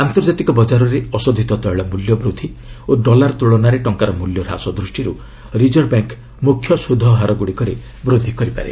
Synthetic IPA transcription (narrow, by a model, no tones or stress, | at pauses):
ant̪ɔɾd͡ʒat̪ikɔbɔd͡ʒaɾɔɾeɔsɔd̪ʱit̪ɔt̪ɔeɭɔmuljɔbɾud̪ʱioɖɔlaɾt̪uɭɔnaɾeʈɔŋkaɾɔmuljɔɾa̰sɔd̪ɾusʈiɾu | ɾid͡ʒɔɾbaŋk | mukʰːjɔsud̪ʱɔɦaɾɔɡuɽikɔɾe | bɾod̪ʱikɔɾipa̰ɾḛ